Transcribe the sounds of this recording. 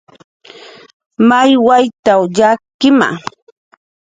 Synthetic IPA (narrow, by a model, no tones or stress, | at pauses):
majwajt̪awʎakɪma̰